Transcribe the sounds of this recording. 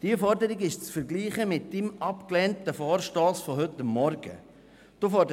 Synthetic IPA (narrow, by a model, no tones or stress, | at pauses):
d̥iəfɔɾdəɾɪɡɪʃt͡sfɛɾɡliːχəmɪt̚d̥ɪmɑpklɛntəfɔːɾʃtɔːsfɔɦʏtəmːɔɾɡ̥ə̰ | d̥ofɔd